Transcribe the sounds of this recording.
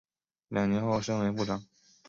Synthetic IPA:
ljɑ˨˩ŋnjɛ˧˥nxo˥˩ʊʂə˥ŋwe˧˥ɪpu˥˩ʈ͡ʂɑ˨˩˦ŋ

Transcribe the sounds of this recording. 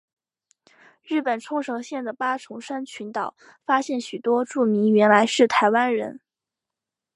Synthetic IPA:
ɻɻ̩˥˩pə˨˩nʈ͡ʂʰʊ˥ŋʂɤ˧˥ŋɕjɛ˥˩nd̪ə˩pa˥ʈ͡ʂʰʊ˧˥ŋʂa˥nt͡ɕʰy˧˥nt̪ɑ˨˩˦ʊ | fa˥ɕjɛ˥˩nɕy˨˩t̪wɔ˥ʈ͡ʂu˥˩mi˧˥ŋɥɛ˧˥nla˧˥ɪʂɻ̩˥˩t̪ʰa˧˥ɪwa˥nɻə̰˧˥n

